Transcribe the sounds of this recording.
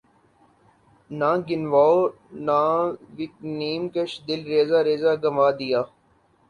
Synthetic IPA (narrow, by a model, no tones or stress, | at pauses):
nãːɡɪnʋaːo | nãːʋɪk̚niːmkəʃd̪ɪlɾeːzaːɾeːzaːɡɐmaːd̪ɪjaː